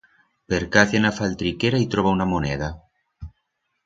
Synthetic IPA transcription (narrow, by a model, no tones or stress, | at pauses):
peɾkaθenafalt̪ɾikeɾait̪ɾoβaunamoneð̞a